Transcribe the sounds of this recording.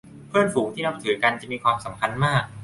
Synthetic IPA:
pʰɯ˥˩ənfuː˩˦ŋt̪ʰiː˥˩na˦˥p̚t̪ʰɯː˩˦ka˧nt͡ɕa˨˩ʔmiː˧kʰwaː˧msa˩˦mkʰa˧nmaː˥˩k̚

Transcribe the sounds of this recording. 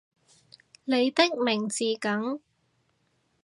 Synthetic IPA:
le˨˧jt̪ɪ˥k̚mɪ˨˩ŋt͡siː˨kɐ˨˥ŋ

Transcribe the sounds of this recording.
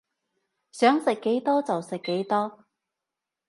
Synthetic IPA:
sœː˨˥ŋsɪ˨kːe˨˥jt̪ɔː˥t͡sɐ˨wsɪ˨kːe˨˥jt̪ɔː˥

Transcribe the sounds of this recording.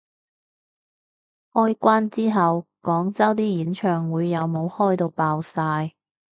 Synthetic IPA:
ʔɔː˥jkʷaː˥nt͡siː˥ɦɐ˨w | kɔː˨˥ŋt͡sɐ˥wt̪iː˥jiː˨˥nt͡ʃʰœː˨˧ŋwuː˨˧jːɐ˨˧wmo˨˧whɔː˥jt̪o˧wpaː˧wsaː˧j

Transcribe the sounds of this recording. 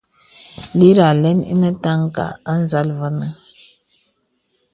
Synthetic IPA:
li˦ɾa˨lɛ˦nḭ˦nə˦ta˦ŋ˦ka̰˨a˦n˦za˦lvə˦nə˦

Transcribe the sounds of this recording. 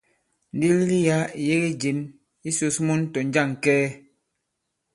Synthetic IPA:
n̩˦di˦lli˦ja˦˨je˦ɣe˦d͡ʒi˨n | i˦so˨smɔ˦n˦tɔ˨n˦d͡ʒa˦˨ŋ˨kɛː˦

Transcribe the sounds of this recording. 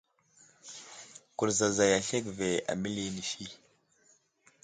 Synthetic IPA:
ku˨ɾza˨za˨ja˨ɬe˦kve˨a̰˨mi˦li˦ni˨ʃi˦

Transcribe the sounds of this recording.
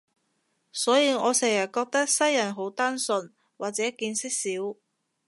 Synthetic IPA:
sɔː˨˥jiː˧ŋɔː˨˧sɛː˨˩ŋjɐ˨˩t̚kɔː˧k̚t̪ɐ˥k̚sɐ˥jːɐ˨˩nɦo˨˥wt̪aː˥nsɵ˧n | waː˨k̚t͡sɛː˨˥kiː˧nsɪ˥k̚siː˨˥w

